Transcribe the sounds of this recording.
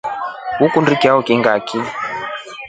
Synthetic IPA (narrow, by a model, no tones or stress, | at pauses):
wukundikiaukiŋɡaki